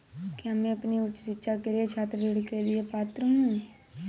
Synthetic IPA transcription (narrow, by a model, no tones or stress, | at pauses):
kiɦɐmẽɐpniʊt͡ʃːsɪtːʃʰakeliet͡ʃʰaːt̪ɾd͡ʒɪɽkelɪepaːt̪ɾəɦũe